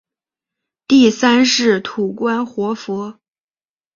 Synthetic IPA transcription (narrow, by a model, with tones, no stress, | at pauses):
t̪i˥˩sa˥nʂɻ̩˥˩t̪ʰu˨˩kwa˥nxwɔ˧˥fɔ˧˥